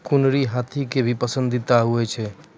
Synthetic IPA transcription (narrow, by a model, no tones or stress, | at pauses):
kunɾiɦat̪ʰikebʱipəsə̃nd̪ʱit̪aɦuɛt͡ʃʰɛ